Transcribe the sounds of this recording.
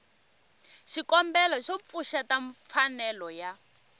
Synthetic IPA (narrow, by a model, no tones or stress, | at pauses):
ʃikɔmbɛlɔʃɔp̪fuʃataɱfanɛlɔja